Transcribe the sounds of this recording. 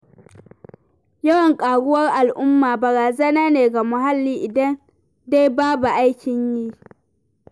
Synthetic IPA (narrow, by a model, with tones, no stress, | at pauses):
jɐ˦wɐ˨ŋkʼaː˨ɽʊ˦wɐ˦rʔa˨lʔʊ˦mːaː˨bɐ˨ɾaː˨zɐ˦naː˦neː˨ɡa˨mʊ˨ɦa˦lːiː˦ʔɪ˨dɐ˦n | da˦jbaː˦bu˨ʔa˦jkʲɪ˨ɲjiː˦